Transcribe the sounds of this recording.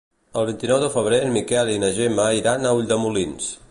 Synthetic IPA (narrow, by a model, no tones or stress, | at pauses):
əlˠβint̪inɔwðəfəβ̞ɾemikɛlinəʒeməiɾanəuʎʲd̪əmulins